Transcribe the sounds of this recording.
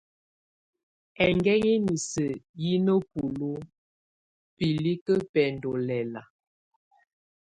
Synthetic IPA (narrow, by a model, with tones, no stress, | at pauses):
ɛ˨ŋɡɛ˦ɣi˦mi˨sə˨ji˦nə˦pu˨lu˦ | pi˨li˦kə˦pɛ˨ndɔ˨lɛ˨la˨